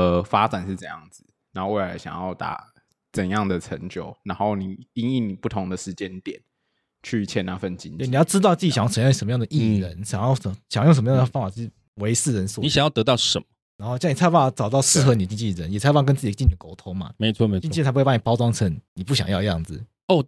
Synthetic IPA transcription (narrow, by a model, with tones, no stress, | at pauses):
ə˩fa˥t͡sa˨˩nʂɻ̩˥˩t͡sə˥˧˩jɑ̰˥˩ŋd͡z̩˨˩na˨˧˥o˥˧we˥˩a˧˥ɕjɑ̰˨˩ŋjɑ˥˩ʊt̪a̰˨˩ | t͡sə˨˩njɑ˥˩ŋd̪ə˩ʈ͡ʂʰə˧˥ŋt͡ɕjo˨˩ʊna˧˦nxo˥˩ʊni˨˩i˥ni˥˩ni˨˩pu˥˩t̪ʰʊ˧˥ŋd̪ə˨ʂɻ̩˧˦t͡ɕjɛ˦nt̪jɛ̰˨˩˦n | t͡ɕʰy˥˧t͡ɕʰjɛ˥˧na̰˥˧fə˥˨nt͡ɕi˥n˥˨ni˨jɑ˥ʊʈ͡ʂɻ̩˥t̪ɑ˥ʊt͡sɹ̩˥˩t͡ɕi˨ɕʰʂə˧˦m˧jɑ˥˩ŋd̪ə˩ʔi˥˩ɻə˧˦nɕɑ˨˩ŋjɑ˥˩ʊ˧ɕɑ˨ɑ˥jʂə˩m˦jd̪ə˧˩fɑ˥ŋfa˨˩t͡ɕ | we˧˥ɪsɹ̩˥˩ɻə˧˦nsu˨˥ni˦ɕɑ˨ŋjɑ˥˩t̪t̪ɑ˥˩ʊʂə˨˦mə̥˦na˧˥nxʊɕjni˨˩t͡sʰa˥˧pa˥˩t͡sɑ˨˩ʊt̪ɑ˥˧ʊʂɻ̩˥˩xɤ˧˥ni˨˩ə˩t͡ɕi˥ŋt͡ɕi˥˩ə˧˦njɛ˨˩t͡sʰa˥˧pa˥˩k̬ə˥nt͡sɨ˥˩t͡ɕi˨˩t͡ɕi˥˩ni˨˩ə˨ko˧˥ʊt̪ʰo˧˥ŋma̰˨me˧˦ɪt͡sʰwɔ˥˨me˧˦t͡ɕi˥˧t͡ɕi˥˧t͡sa˥pa˥ni˨˩pɑ˥ʊʈ͡ʂwɑ˥ŋt͡sʰə˧˥nni˨˩pu˥˩ɕjɑ̰˨ŋjɑ˥˧ʊ˧jɑ˥˩ŋd͡z̩˨˩ | o˥˩